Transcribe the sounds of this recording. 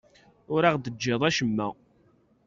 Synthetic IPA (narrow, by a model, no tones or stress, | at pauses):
ʊɾaʁd̪əd͡ʒːeðˤæʃəmːæ̰